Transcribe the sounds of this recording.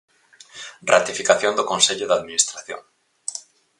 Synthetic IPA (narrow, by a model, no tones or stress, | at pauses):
rat̪ifikaθjond̪okonseʎʊðaðminist̪ɾaθjo̰ŋ